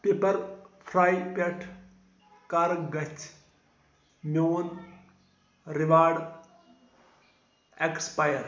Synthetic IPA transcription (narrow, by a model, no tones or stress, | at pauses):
peːpɐɾpʰɾaːjpeʈʰ | kaɾɡɐt͡ʃʰ | mjoːn | ɾiʋaːɖ | ekspajɐɾ